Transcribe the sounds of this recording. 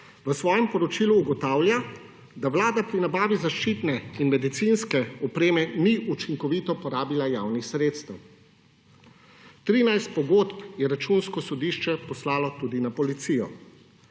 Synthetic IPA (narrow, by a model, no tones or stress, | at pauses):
ʋəsʋɔːjɛmpɔɾɔt͡ʃiːluːɡɔt̪aːwlʲja | d̪aʋlaːd̪apɾinabaːʋizaʃt͡ʃiːt̪nɛinmɛd̪it̪sinskɛɔpɾeːmɛniʔut͡ʃiŋkɔʋiːt̪ɔpɔɾaːbilajaːwnixsɾeːt̪st̪ɛw | t̪ɾiːnajst̪̚pɔɡot̪pjɛɾat͡ʃunskɔsɔd̪iʃt͡ʃɛpɔslaːlɔt̪uːd̪inapɔlit̪sijɔ̰